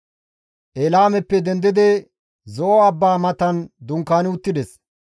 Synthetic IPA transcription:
ʔeːlaːmɛpːɛd̪ɛnd̪ɪd̪ɛ | zɔʔɔɐbːaːmɐt̪ɐnd̪ʊŋkːaːnɪʊt̪ːɪd̪ɛs

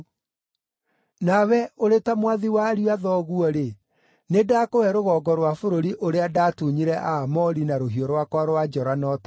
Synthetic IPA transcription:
nawɛoɾetamwaðiwaɾiaðɔɣwɔɾe | nedakowɛɾoɣɔːɡɔɾwafoɾoɾiʔoɾeadaːtuɲiɾɛʔaːmɔɾinaɾoɦiɔɾwakwaɾwad͡ʒɔɾanɔtḁ

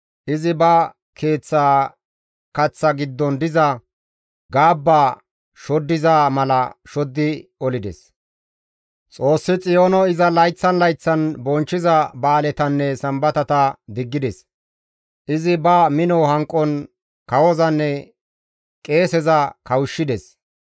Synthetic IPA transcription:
ʔɪzɪbɐ | kʰe̞ːt͡sːaː | kɐt͡sːɐɡɪd̪ːɔnd̪ɪzɐ | ɡaːbːaː | ʃɔd̪ːɪzaːmɐlɐʃɔd̪ːɪɔlɪd̪ɛs | t͡sʼo̞ːsːɪt͡sʼɪjoːnɔɪzɐlɐjt͡sːɐnlɐjt͡sːɐnbɔnt͡ʃːɪzɐbaːlɛt̪ɐnːɛsɐmbɐt̪ɐt̪ɐd̪ɪɡːɪd̪ɛs | ʔɪzɪbɐmɪnɔhɐŋkʼːɔn | kɐwɔzɐnːɛ | kʼe̞ːsɛzɐkɐwʊʃːɪd̪ɛs

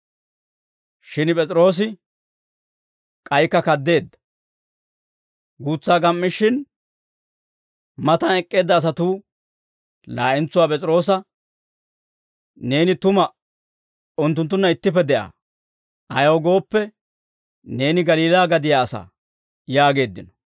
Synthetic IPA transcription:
ʃɪnpʼɛt͡sʼɪɾo̞ːs̬ɪ | kʼɐjkːɐkɐd̪ːe̞ːd̪ːɐ̥ | ɡuːt͡sːaːɡɐmːɪʃːɪn | mɐt̪ɐnɛkʼːe̞ːd̪ːɐːs̬ɐt̪uː | laːʔɪnt͡sʊwaːpʼɛt͡sʼɪɾo̞ːs̬ɐ | ne̞ːnɪt̪ʊmɐ | ʊnt̪̬ːʊnt̪ːʊnːɐɪt̪ːɪpːɛd̪ɛʔa̰ː | ʔɐjɐwɡo̞ːpːɛ | ne̞ːnɪɡɐliːlaːɡɐd̪ɪjaːsa̰ː | jaːɡe̞ːd̪ːɪnɔ̥

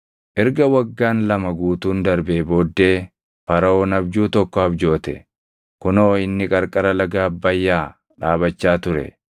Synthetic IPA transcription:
ʔɛɾɡɐwɐɡːaːnlɐmɐɡuːt̪uːnd̪ɐɾbeːbo̞ːd̪ːe̞ː | pɐɾɐoːnɐbd͡ʒuːt̪ɔkːɔɐbd͡ʒo̞ːt̪ɛ̰ | kʊnoːɪnːɪkʼɐɾkʼɐɾɐlɐɡaːbːɐjːaː | ᶑaːbɐt͡ʃːaːt̪ʊɾɛ̰

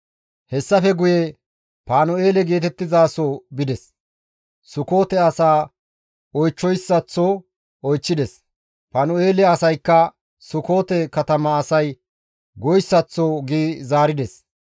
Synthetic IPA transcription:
hɛsːɐfɛɡʊje | paːnɔe̞ːlɛɡe̞ːt̪ɛt̪ːɪzaːsobɪd̪ɛs | sʊko̞ːt̪ɛɐsaː | ɔjt͡ʃːɔjsːɐt͡sːoː | ɔjt͡ʃːɪd̪ɛs | paːnɔeːlɛɐsɐjkːɐ | sʊko̞ːt̪ɛkɐt̪ɐmɐːsɐj | ɡɔjsːɐt͡sːoːɡiːzaːɾɪd̪ɛs

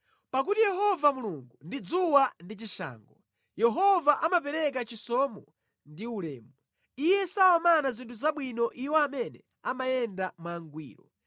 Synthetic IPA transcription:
pak̬utijɛɦɔvamuluŋɡundid͡zuwandit͡ʃiʃa̰ːŋɡɔ | jɛɦɔvaʔamapɛɾɛk̬at͡ʃisɔmɔ | ndiulɛːmɔ | ijɛsaɔmanazintʰuzaɓwinɔʔiwɔamɛnɛ | amajɛndamwaːŋɡwḭːɾɔ̰

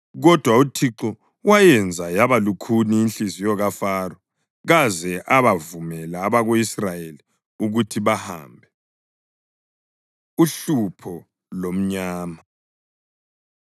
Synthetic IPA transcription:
ɣɔd̥ʱwautʰiǁɔ | wajɛnd͡zʱajaβalukʰuniːnɬizijɔɣafaːrɔ | ɣazɛʔaβavumɛlaːβaɣoisrajeli | uɣutʰiβaha̰ːmbʱɛ | uɬupʰɔ | lom̩ɲaːma

